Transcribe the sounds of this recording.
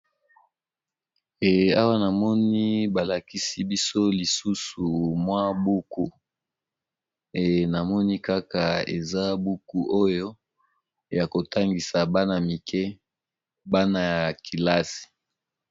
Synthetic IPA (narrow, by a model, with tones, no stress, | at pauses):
e˨a˦wa˦na˨mɔ˦ni˦ba˨la˨ki˦si˦bi˦so˦li˨su˦su˨mwa˦bu˦ku˦ | e˨na˨mɔ˦ni˦ka˦ka˨ḛ˨za˦bu˦ku˦ʔo˦jo˦ | ja˨ko˨ta˦ŋɡi˨sa˨ba˦na˨mi˨kʰɛ˦ | ba˦na˨ja˨kʰi˨la˦si̥˨